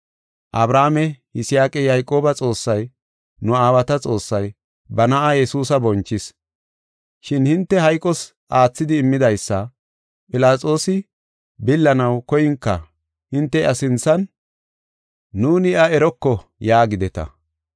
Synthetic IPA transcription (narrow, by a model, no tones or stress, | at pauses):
ʔɐbɾaːmɛhɪsɪjaːkʼɛjajkʼo̞ːbɐt͡sʼo̞ːsːɐj | nʊaːwɐt̪ɐt͡sʼo̞ːsːɐj | bɐnɐʔajɛsuːsɐbɔnt͡ʃːɪs | ʃɪnhɪnt̪ːɛɦɐjkʼːɔs | ʔaːt͡sːɪd̪ɪːmːɪd̪ɐjsːɐ | pʼɪlaːt͡sʼo̞ːsɪ | bɪlːɐnɐwkɔjɪŋkːɐ̰ | hɪnt̪ːɛʔɐsɪnt͡sːɐn | uːnɪʔɐɛɾɔkːɔjaːɡɪd̪ɛt̪ɐ̰